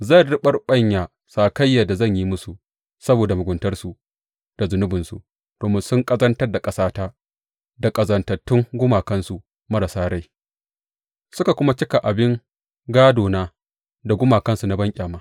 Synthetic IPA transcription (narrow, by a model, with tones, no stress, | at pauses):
za˦˨ɽɪ˦ɓɐ˦rɓɐ˦ɲjaː˨ | saː˨kɐ˦jːa˨da˨zɐ˦˨ɲjiː˦mʊ˦su˨ | sɐ˦boː˨da˨mʊ˨ɡʷʊ˨ntɐ˦rsu˨ | d̥a˨zʊ˨nʊ˦bɪ˨nsu˨ | d̥oː˨mɪ˦nsʊ˦ŋkʼɐ˦zɐ˦ntɐ˦rda˨kʼɐ˦saː˦taː˦ | da˨kʼɐ˨zɐ˨ntɐ˨tːʊ˦ŋɡʷʊ˦maː˨kɐ˦nsu˨ | mɐ˦ɾa˨saː˦ɾa˦j | sʊ˦ka˨kʷʊ˦ma˦t͡ʃɪ˦ka˨ʔa˨bɪ˦ŋ | ɡaː˦doː˨naː˦ | da˨ɡʷʊ˦maː˨kɐ˦nsu˨na˦bɐ˦ŋkʲʼaː˨maː˦